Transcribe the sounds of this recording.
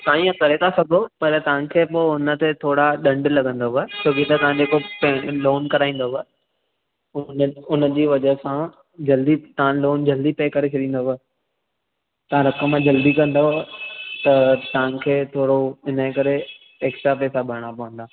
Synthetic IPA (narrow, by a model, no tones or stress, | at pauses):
sãːĩɐ̃t̪ɐɾet̪ʰasɐɡʱopɐɾt̪ɐʋ̤ãkʰeːpoːʊnə̆t̪et̪ʰoːɽaɗɐ̃ɳɖlɐɠə̃nd̪oɦət͡ɕʰoːkit̪ɐt̪ɐʋ̤ãd͡ʑeːkoploːnkɐɾaːĩːn̆d̪oɦʊə | ʊnʊnəd͡ʑiːʋɐd͡ʑəɦsã | d͡ʑɐld̪it̪ɐʋãloːnd͡ʑɐld̪ipɐekɐɾet͡ɕʰɐɗĩːnd̪oɦ | t̪ɐʋ̤ãɾɐkəmːãd͡ʑɐld̪ikɐ̃nd̪oɦt̪ɐt̪ɐʋ̤ə̃kʰeːt̪ʰoːɾoɪnəkɐɾe | eːkʃɾapɛːsabʱɐɾɽ̃apɐʋə̃nd̪aː